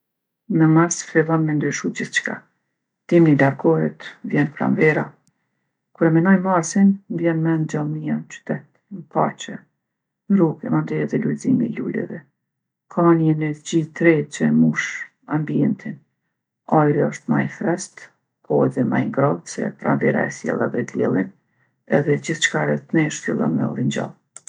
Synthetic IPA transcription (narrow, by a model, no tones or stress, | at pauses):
mɛmaɾsfilˠɔnmɛnd̪yʃud͡ʑiθt͡ʃkʰa̰ | t̪imnilaɾɡɔɦɛt̪vjɛnpɾa̰mvɛɾa | kuɾɛmɛnɔjmaɾsindjɛnmɛnd͡ʒalˠmiat͡ʃy̥t̪ɛt̪ | npaɾt͡ʃɛ | nɾukɛmand̪ɛɛðɛlulzimḭlulɛ̰vɛ | kʰamaniɛnɛd͡ʑit̪ɾɛt͡ʃɛmuʃ | ambiɛnt̪ʰin | ajɾiɔʃt̪ma̰jfɾɛst̪ | pʰɔɛðɛma̰jiŋɡɾɔðsɛ̰pɾa̰mvɛɾa̰ɛsjɛ̰lˠaðɛɡ̪ljɛ̰lˠin | ɛðɛd͡ʑiθt͡ʃkaɾɛt̪nɛʃtulˠa̰nmɛ̰ɔ̰ɾiɲd͡ʑa̰lˠ